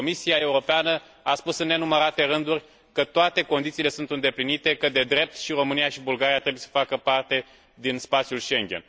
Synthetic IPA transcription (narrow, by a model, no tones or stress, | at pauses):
omisiae̞uɾo̞peanə | aspusɨnːe̞numəɾat̪e̞ɾɨnd̪urʲ | kət̪oat̪e̞ko̞nd̪it̪siːle̞sunt̪ɨnd̪e̞plinit̪e̞kəd̪e̞d̪ɾe̞p̚t̪ʃiro̞mɨnijaʃibulɡaɾiat̪ɾe̞bujesə̥fakəpart̪e̞ | d̪inspat̪sjulʃe̞ŋɡʲe̞n